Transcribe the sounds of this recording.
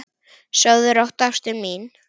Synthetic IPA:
sœwðʏɾɔwht̪afst̪ʏmin

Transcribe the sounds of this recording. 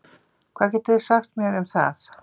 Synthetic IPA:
kʰvaðcɛt̪ɛðɪ̥saxt̪mjɛɾɛmθa̰θ

